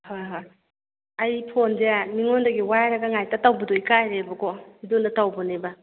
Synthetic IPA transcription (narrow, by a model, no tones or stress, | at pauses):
hojɦoj | ɐjpʰonzeaniŋondɐɡiwajɾɐɡɐŋajtɐtawbɐdoikajɾebɐkohidonatawbɔneba